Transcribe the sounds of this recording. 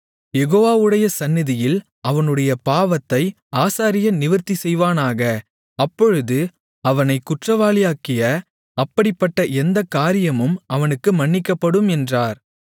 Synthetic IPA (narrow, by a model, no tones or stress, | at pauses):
jɛɣoːʋaːʋɯɽɐjɐsɐnːɪðɪjɪl | ɐʋɐnɯɽɐjɐpaːʋɐt̪ːɐɪ | aːsaːɾɪjɐnɪʋɐɾt̪isɛjʋaːnaːɣɐ | ɐpːɔɻɯðɯ | ɐʋɐnɐɪkʊʈrɐʋaːɭɪjaːkɪjɐ | ɐpːɐɽɪpːɐʈːɐʔɛnd̪ɐkːaːɾɪjɐmɯmɐʋɐnɯkːɯmɐɳːɪkːɐpːɐɽɯmɛndraːɾ